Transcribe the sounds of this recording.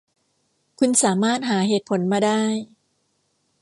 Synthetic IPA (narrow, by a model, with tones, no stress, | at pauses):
kʰu˧nsaː˩˦maː˥˩t̪̚ɦaː˩˦ɦeː˨˩t̪̚pʰo˩˦nmaː˧daː˥˩j